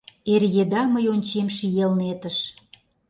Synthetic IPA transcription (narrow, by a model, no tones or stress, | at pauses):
erjed̪ɑməjonʲt͡ɕemʃijelnet̪əʃ